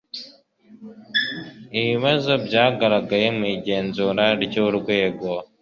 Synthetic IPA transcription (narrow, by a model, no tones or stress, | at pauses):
iβiβazo̞bɟaːɡaɾaɡajemiɟeːnzuːɾaɾɟoɾɡwe̞ːɡo